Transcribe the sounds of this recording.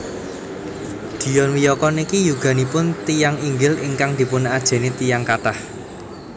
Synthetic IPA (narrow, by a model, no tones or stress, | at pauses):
d̪̥i̤jɔnwijɔkɔnikijuɡ̥a̤nipʊnt̪ijaŋiŋɡɪlḭŋkaŋd̪̥i̤punad̥ʒ̥e̤net̪ijaŋkat̪ah